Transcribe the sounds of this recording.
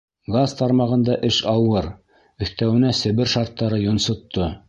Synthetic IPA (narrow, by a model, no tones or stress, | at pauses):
ɡazt̪ɑɾmɑʁɤ̆nd̪ɑʔɘʃɑwɤɾ | ɵ̆θt̪æwɘ̆næsɘ̆βɘɾʃɑɾt̪ːɑɾɤjŏnsŏt̪ːo